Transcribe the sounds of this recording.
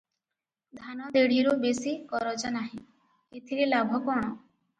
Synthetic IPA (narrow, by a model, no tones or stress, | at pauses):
d̪ʱanɔd̪eɽ̤iɾubesikɔɾɔd͡ʒanaɦĩ | et̪ʰiɾelabʱɔkɔɽ̃ɔ